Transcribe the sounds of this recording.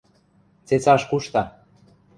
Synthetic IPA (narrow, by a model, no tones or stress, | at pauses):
t͡set͡sɑʃkuʃt̪ɑ